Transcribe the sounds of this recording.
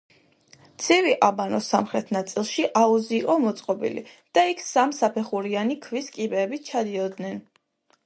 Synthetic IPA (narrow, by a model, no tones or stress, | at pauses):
t̪sʰiviʔabanɔsamχɾɛt̪ʰnat̪sʼilˠʃiʔauziːqʼɔmɔt̪sʼqʼɔbḭlḭ | d̪̥aikʰsamsapʰɛχuɾianikʰviskʼibɛːbit͡ʃʰad̪iɔd̪nɛn